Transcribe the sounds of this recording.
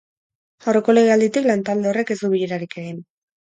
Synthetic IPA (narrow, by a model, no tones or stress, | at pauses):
awre̞ko̞le̞ɣe̞ald̪it̪iklant̪ald̪e̞ore̞ke̞zd̪uβiʎeɾaɾike̞ɣin